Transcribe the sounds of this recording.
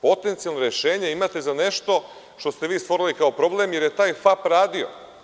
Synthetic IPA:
po̞t̪ent̪sialˠnoɾeʃeːɲeimat̪e̞zaneʃt̪o̞ | ʃt̪o̞st̪eʋiːst̪ʋo̞ɾilikaopɾo̞blemje̞ɾjet̪aːjfapɾaːd̪io̰

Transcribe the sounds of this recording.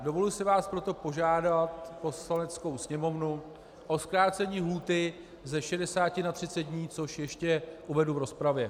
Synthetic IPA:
do̞vo̞lʊlsɪvaːspɾo̞t̪o̞po̞ʒaːdat̪po̞slanɛt͡sko̞wsɲɛmo̞vnu | ʔo̞skɾaːt͡sɛɲiːɦuːt̪ɪ | zɛʃɛdɛsaːcɪnat̪r̝ɪt̪t͡sɛt̪̚dɲiːt͡so̞ʃjɛʃcɛʔuvɛduvɾo̞spɾavjɛ

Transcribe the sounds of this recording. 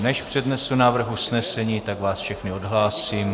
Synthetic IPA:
nɛʃpr̝̥ɛdnɛsunaːvr̩xusnɛsɛɲiːt̪aɡvaːsfʃɛxnɪodɦlaːsiːm

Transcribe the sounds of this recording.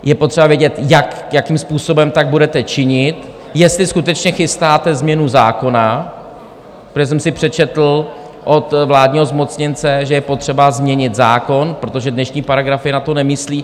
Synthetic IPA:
jɛpo̞t̪r̥ɛbavjɛɟɛt̪jak | jakimspuːso̞bɛmt̪aɡ̚budɛt̪ɛt͡ʃɪɲɪt̪ | jɛst̪lɪskut̪ɛt͡ʃɲɛxɪst̪aːt̪ɛzmɲɛnuzaːko̞na | ɾoʒɛsɛmsɪpr̥ɛt͡ʃɛt̪l̩ | ʔo̞t̪vlaːdɲiːɦo̞zmo̞t͡sɲɪnt͡sɛʒɛjɛpo̞t̪r̝̥ɛbazmɲɛɲɪt̪zaːko̞npɾo̞t̪oʒɛdnɛʃɲiːpaɾaɡɾafɪnat̪o̞nɛmɪsliː

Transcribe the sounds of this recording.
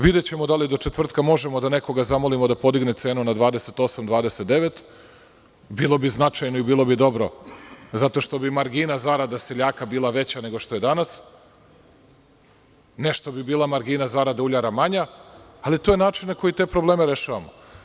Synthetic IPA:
ʋid̪et͡ɕe̞mod̪alid̪o̞t͡ʃet̪ʋr̩t̪kamo̞ʒemo̞d̪ane̞ko̞ɡazamo̞limo̞d̪apo̞d̪iɡnet̪se̞ːnunad̪ʋaːd̪eset̪o̞samd̪ʋaːd̪e̞set̪̚d̪eʋet̪ | bilˠo̞biznat͡ʃajnoibiːlˠo̞bid̪o̞bɾo̞zat̪o̞ʃt̪o̞bimaɾɡinazaɾad̪aseʎaːkabiːlˠaʋe̞t͡ɕane̞ɡo̞ʃt̪o̞je̞d̪anas | ne̞ʃt̪obibiːlˠamaɾɡinazaɾad̪auʎaɾamaɲaːlit̪ojenaːt͡ʃinnako̞jit̪eːpɾoblˠe̞ːmeɾeʃaːʋamo̰

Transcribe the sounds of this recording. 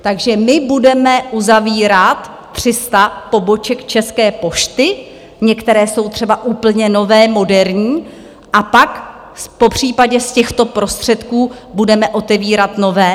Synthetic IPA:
t̪aɡʒɛmɪbudɛmɛʔuzaviːɾat̪ːr̝̥ɪst̪apo̞bo̞t͡ʃɛkt͡ʃɛskɛːpo̞ʃt̪ɪ | ɲɛkt̪ɛɾɛːso̞wt̪r̥ɛbaʔuːpl̩ɲɛno̞vɛːmo̞dɛɾɲiː | ʔapak | spo̞pr̝̥iːpaɟɛscɛxt̪o̞pɾo̞st̪r̝̥ɛt̪kuː | budɛmɛʔo̞t̪ɛviːɾat̪no̞vɛː

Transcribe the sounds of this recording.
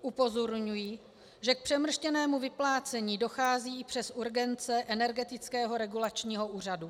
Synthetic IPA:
ʔupo̞zo̞ɾɲujiː | ʒɛk̚pr̥ɛmr̩ʃcɛnɛːmuvɪplaːt͡sɛɲiːdo̞xaːziːɪpr̝̥ɛsʔuɾɡɛnt͡sɛʔɛnɛɾɡɛt̪ɪt͡skɛːɦo̞ɾɛɡulat͡ʃɲiːɦo̞uːr̝adu

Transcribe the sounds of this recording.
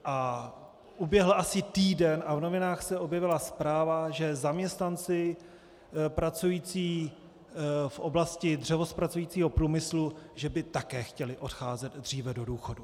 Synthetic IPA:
ʔa | ʔubjɛɦl̩ʔasɪt̪iːdɛnavno̞vɪnaːxsɛʔo̞bjɛvɪlaspɾaːvaʒɛzamɲɛst̪nant͡sɪ | pɾat͡sujiːt͡siː | fʔoblascɪdr̝ɛvospɾat͡sujiːt͡siːɦo̞pɾuːmɪsluʒɛbɪt̪akɛːxcɛlɪʔo̞txaːzɛd̪dr̝iːvɛdo̞duːxodu

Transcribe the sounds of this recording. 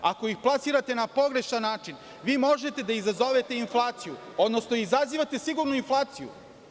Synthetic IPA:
ako̞ixplˠasiɾat̪e̞napo̞ɡɾe̞ʃnanːaːt͡ʃin | ʋiːmo̞ʒet̪e̞d̪aizazo̞ʋet̪e̞inflˠaːt̪siju | od̪nosnoizaziʋat̪e̞siɡuɾnuinflˠaːt̪sijṵ

